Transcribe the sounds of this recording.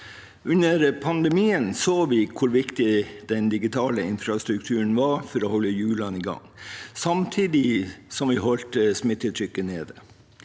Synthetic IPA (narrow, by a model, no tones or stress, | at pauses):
ʉnəɾpʰɑnd̪ɛmiːənsoːʋɪkʰʊɾʋɪkt̪ɪd̪̥ɛnd̪ɪɡɪt̪ʰɑːləɪnfɾɑst̪ɾʉkt̪ʰʉːəɳ̩ʋɑːɾfɔɾohɔlːəjʉːlɑniːɡɑ̰ŋsɑmt̪ʰiːd̪ɪsɔmʋɪɦɔlt̪əsmɪt̪ːət̪ʰɾʏkːəneːd̪ə